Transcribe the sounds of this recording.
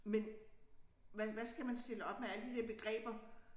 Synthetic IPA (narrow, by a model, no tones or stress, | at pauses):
men | ʋæʋæsɡ̥æmænsd̥e̝ləɒ̽b̥meæləd̥id̥æɐb̥e̝ɡ̥ʁɛ̰ːb̥ɐ